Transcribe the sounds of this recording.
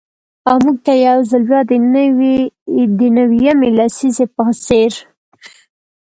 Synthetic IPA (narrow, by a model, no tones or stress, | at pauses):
amuɡ̚t̪ajawzəlbjɑd̪ənw | d̪ənawijamelasizepəseɾ